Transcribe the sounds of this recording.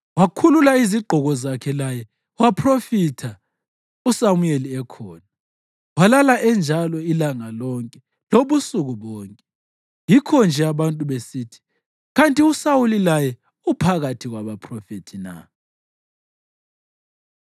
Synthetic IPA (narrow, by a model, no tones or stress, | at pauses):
wakʰululaiziɡ͡ǃʱɔɣɔzakʰɛlajɛ | wapʰrofitʰa | usamujeliɛkʰɔːna | walalaʔɛnd͡ʒʱalɔilaŋalɔŋkʼɛ | loβusuɣuβɔːŋkʼɛ | jikʰɔnd͡ʒʱɛaβantʼuβesiːtʰi̥ | ɣantʼiusawulilajɛ | upʰaɣatʰiɣwaβapʰrɔfetʰina̰